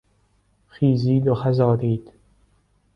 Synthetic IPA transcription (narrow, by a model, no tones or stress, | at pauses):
xiːziːd̪oxæzɒːɾiːd̪̥